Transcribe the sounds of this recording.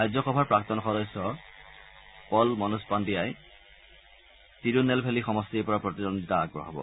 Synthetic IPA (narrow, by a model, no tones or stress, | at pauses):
ɹajzɔxɔbʱaɹpɹak̚t̪ɔnxɔdɔsɔ | pɔlmɔnuspandiaj | tiɹunɛlpʰelixɔmɔstiepɔɹapɹɔt̪idond̪ita̰ːɡɹɔ̰ɦɔbɔ̰